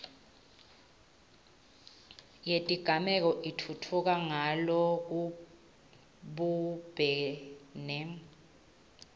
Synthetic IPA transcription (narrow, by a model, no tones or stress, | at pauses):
jetʼiɡ̥ʱamɛk̬ɔʔitʰutʰuk̬aŋalɔk̬u | ɓub̥ʱɛːnɛ